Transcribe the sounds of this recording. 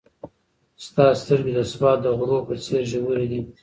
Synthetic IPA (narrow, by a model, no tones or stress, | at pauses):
st̪ɑst̪əɾɡed̪əsbɑt̪̚d̪əɣɾopət͡seɾʒəwuɾed̪i